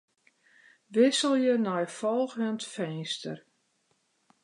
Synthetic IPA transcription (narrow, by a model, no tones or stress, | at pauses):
ʋɪsəlˠjənɔjfɔlˠxəntfɛjstə̰r